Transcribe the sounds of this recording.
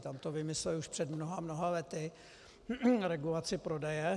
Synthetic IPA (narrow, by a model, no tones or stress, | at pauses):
t̪amt̪ovɪmɪslɛuʃpr̥ɛd̪mnoɦamno̞ɦalɛt̪ɪ | ɾɛɡulat͡sɪpɾo̞dɛjɛ